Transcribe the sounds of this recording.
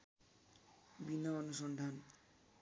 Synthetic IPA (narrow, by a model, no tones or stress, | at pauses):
binaɔnuʃɔnd̪ʱan